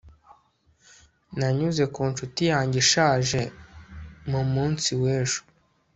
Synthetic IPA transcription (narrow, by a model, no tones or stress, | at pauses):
naɲuze̞kuːnt͡ʃutijaːɲɟiʃaːʒe̞ | mumuːnt͡siweːʒo̥